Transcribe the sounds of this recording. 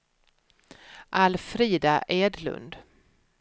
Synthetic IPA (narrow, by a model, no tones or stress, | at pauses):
ʔalfɾiːd̪aʔeːd̪lɵ̰nd̪